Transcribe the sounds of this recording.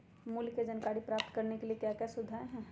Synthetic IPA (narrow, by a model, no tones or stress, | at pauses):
mulkːed͡ʒɐnkaːɾipɾaːp̚t̪kɐɾnekeliekjaːkjasʊd̪ʱaːeɦɛ̃ː